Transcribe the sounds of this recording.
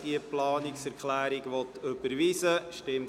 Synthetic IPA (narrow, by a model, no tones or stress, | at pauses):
d̥iəplɑːnɪksɛɾkχlæːɾiɡʋɔt̪øb̥əɾʋiːsəʃtɪmt